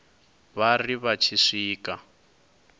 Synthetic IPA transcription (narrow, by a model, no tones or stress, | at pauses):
βariβat͡ʃʰiʂiːka